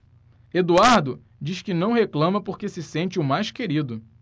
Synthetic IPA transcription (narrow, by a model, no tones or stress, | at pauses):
ed̪uaɾd̪ʊ | d͡ʒiʃkɪnɐ̃w̃ɦeklɐ̃mɐpoɾkesɪsẽnt͡ʃɪʊmajʃskeɾid̪ʊ